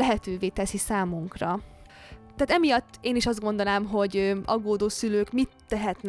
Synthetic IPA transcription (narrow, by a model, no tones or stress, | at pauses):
ɛɦɛt̪øːveːt̪ɛsisaːmuŋkrɒ | t̪ɛɦːt̪ɛmijɒt̪ːeːniʃɒzd̪ɡo̞nd̪onaːmɦo̞ɟɒɡːoːd̪oːsyløːkmit̪ːɛɦɛt̪n